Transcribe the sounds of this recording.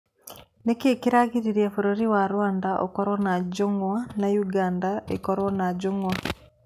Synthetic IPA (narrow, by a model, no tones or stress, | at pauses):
nekiekiɾaɣiɾiɾiefuɾoɾiwaɾwaːndaʔo̰koɾwanaɟoŋwanajuɡaːndaekoɾwanaɟoŋwa